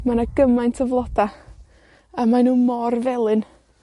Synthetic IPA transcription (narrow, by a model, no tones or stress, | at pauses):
manaɡəmajntʰəvlˠɔd̥a | amanunmɔrvɛlˠɨn